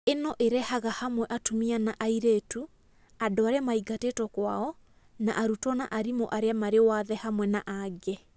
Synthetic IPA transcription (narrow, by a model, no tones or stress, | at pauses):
enɔʔeɾɛhaɣahamwɛʔatomianaʔaiɾetu | adoaɾeamaiɡatetɔkwaɔ | na̰ʔaɾutɔna̰ʔaɾimo̰ʔaɾeamaɾewaðɛhamwɛnaʔaɡɛ